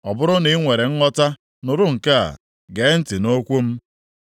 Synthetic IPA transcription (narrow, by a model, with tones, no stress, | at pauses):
ɔ˨bʊ˦ɾʊ˦ni˦ŋʷe˨ɾe˨ŋ̩˦ŋɔ˦ta˦ | nʊ˨ɾʊ˦ŋ̩˨ka˦a̰˨ | ɡe˨˦n̩˦tɪ˨no˦kʷu˦m̩˦